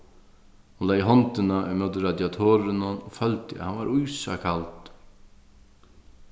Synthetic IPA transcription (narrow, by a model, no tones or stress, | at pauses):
hunlɛːjɦɔnt̪ɪnaɛmœwt̪̬ɪɾad̪jat̪ʰɔːɾɪnanɔfœlt̪ɪa̰hanʋaɾujsa̰kʰalt̪